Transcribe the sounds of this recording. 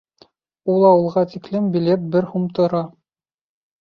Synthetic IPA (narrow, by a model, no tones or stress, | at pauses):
ulˠɑwɤ̆lˠʁɑt̪iklɘmbʲilep̪̚bɘɾhumt̪ŏɾɑ